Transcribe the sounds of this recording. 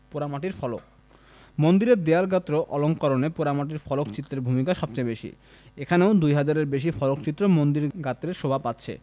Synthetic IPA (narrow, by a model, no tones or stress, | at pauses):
poɾamaʈiɾfɔlok | mond̪iɾeɾd̪eaɾɡat̪ːɾoʔɔloŋkɔɾonepoɾamaʈ̬iɾfɔlokt͡ɕit̪ːɾeɾbʱumikaʃɔbt͡ɕajbeʃḭ | ekʰaneod̪ujɦad͡ʑaɾeɾbeʃ̬ifɔlokt͡ɕit̪ːɾomond̪iɾɡat̪ːɾeɾʃobʱapat̪ːɕʰḛ